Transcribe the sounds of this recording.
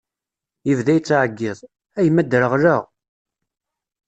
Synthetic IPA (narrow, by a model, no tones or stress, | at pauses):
jəvðæjt͡sːʕəɡːɪðˤ | æjmːæd̪ɾəʁɾəʁ